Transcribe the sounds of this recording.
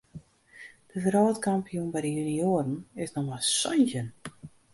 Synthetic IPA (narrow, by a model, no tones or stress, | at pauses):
d̥əfəɾɔːtkampijunbɛjdəjynioəɾən̩ɪsnɔxmasɔnzən